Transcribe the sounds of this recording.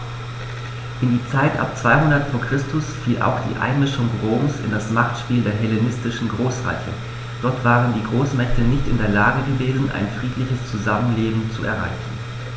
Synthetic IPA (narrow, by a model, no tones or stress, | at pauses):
ʔɪndiːt͡saɪtʔa̰p̚t͡sv̥aɪhʊndɐtfoːɐkʁ̥ɪstʰʊsfiːlʔa̰ʊxd̥ḭːʔa̰ɪnmɪʃʊŋʁoːmsɪ̰ndasmaχtʃpiːldeːɐɦɛlenɪstɪʃn̩ɡʁoːsʁa̰ɪçə̰ | d̥ɔɐtv̥aːʁəndiːɡʁoːsmɛçtənɪçtɪndeːɐlaːɡəɡəveːzn̩ʔa̰ɪnfʁ̥iːtlɪçəst͡suzamənleːbm̩t͡suɛ̰ɐʁa̰ɪçn̩